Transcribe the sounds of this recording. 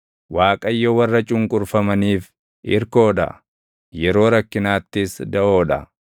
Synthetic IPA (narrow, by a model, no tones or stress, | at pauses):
waːkʼɐjːowɐrːɐt͡ʃʼʊŋkʼʊɾfɐmɐniːf | ʔɪ̰ɾko̞ːᶑɐ̰ | jɛɾo̞ːɾɐkːɪnaːt̪ːɪsd̪ɐʔo̞ːᶑɐ̰